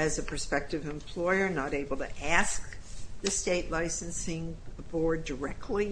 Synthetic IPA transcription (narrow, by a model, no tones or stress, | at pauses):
ɨzɨpʰə˞spɛk̚tɨvɨ̃mpʰl̥ɔɪə˞nəɾeɪbl̩ˠtʰɨ̰ʔæsk̚ðɨsteɪʔˡlaɪsɨ̃n̩sɪ̃ŋəbɔɹdə˞ɛk̚tʰˡli